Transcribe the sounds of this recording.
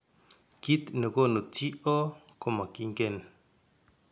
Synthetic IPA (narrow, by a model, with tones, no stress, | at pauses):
ki˦t̪no˨ko˦no˨t͡si˦ʔo˦ko˨ma˨ki˦ŋɡe˦˨n